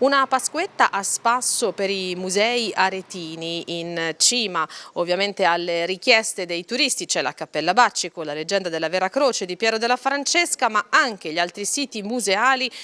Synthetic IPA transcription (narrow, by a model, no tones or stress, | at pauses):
unapaskwet̪ːaʔaspasːopeɾimuzɛiʔaɾet̪iːniʔːnt͡ʃiːmaovːjament̪ealːeɾik̟jɛst̪ed̪ejt̪uɾist̪it͡ʃɛla̰kapːɛlːabat͡ʃːikolaled͡ʒːɛnd̪ad̪elːavɛːɾakɾoːt͡ʃed̪ipjɛːɾod̪elːafɾant͡ʃeskamaaŋk̟eʎialt̪ɾisiːt̪imuzeaːli